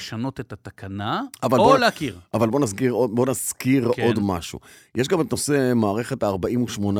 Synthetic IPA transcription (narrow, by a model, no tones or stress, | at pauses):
ʃano̞tet̪at̪akanaavaloleakiʁavalbo̞naskiʁodbo̞nazkiʁo̞d̪ma̰ʃṵ | jeʃ̬ɡametno̞se̞maːʁe̞χetaːʁbaimuʃmo̞na